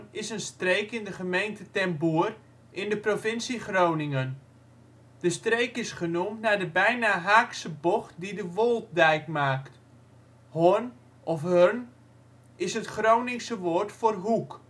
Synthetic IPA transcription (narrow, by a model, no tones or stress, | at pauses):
ɪsənstrejkɪndəχəmejntətɛmbuər | ʔɪndəprofɪnsiχrownɪŋən | d̥əstrejkɪsχənumtnaːdəbɛjnaɦaːksəbɔχt̚didəʋolˠt̚dɛjkmaːkt | hʊn | ʔɔfɦøn | ɪsɦətχrownɪŋsəʋoːrtfoːrɦuk